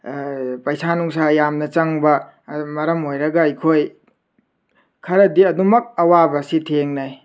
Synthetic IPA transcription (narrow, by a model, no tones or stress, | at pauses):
pɐjsʰanuŋs̬ajamnɐt͡ʃɐŋbɐ | mɐɾɐmojɾɐɡɐːjkʰoj | kʰɐɾɐdiɐdumɐk̚ɐwabɐsitʰeŋnaj